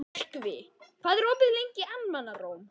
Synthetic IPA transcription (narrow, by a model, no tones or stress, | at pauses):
mɔr̥kvɪkʰv̥aːðɛɾoːpɪðlejɲcɪʔanmanːaroːwm